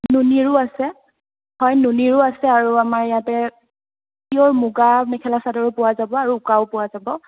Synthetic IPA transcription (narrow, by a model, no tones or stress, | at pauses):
nuniɹʊasɛ | hɔjnuniɹʊasɛaɹuamaɹijatɛ | tiɔɹmuɡamɛkʰɛlasadɔɹɛpʊwazabɔaɹuʊkaʊpʊwazabɔ